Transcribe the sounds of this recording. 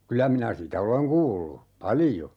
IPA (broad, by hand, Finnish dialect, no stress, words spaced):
kylːæ minæ sitæ oleŋ kuːlːu pɑlijo